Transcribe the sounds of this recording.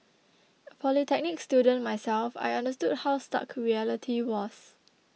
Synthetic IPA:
əpʰɔlitʰɛk̚nɪkstjudə̃nmajsɛlfa̰jãndəstud̚hawsta̰kʰɹiɛlitʰiwɔs

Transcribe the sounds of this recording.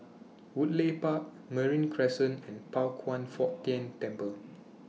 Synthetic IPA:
wut̚lepak̚ | mɛɹĩnkʰɹɛsə̃nɛ̃npalkʰwãnfɔʔtːɛ̃ntɛ̃mpəl

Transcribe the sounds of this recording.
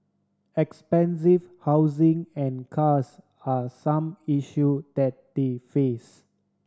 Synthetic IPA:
ɛkspɛ̃ns̬ivhawzĩŋɛ̃nkʰas | asãmiʃjud̥ɛt̚defes

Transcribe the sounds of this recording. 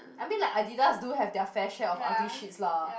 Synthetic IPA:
ʔaɪmĩnlaɪkaɪdidasduhɛvdɛəfɛʃɛɔfãntiʃitsla

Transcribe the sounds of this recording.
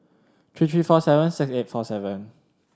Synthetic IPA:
tʰɹiːt̪ʰɹifɔsɛvə̃nsɪkset̚fɔsɛvə̃n

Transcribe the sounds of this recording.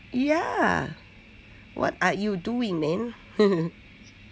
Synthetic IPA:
ja | wʔɔ̰tajuduĩŋðɛ̃n | h

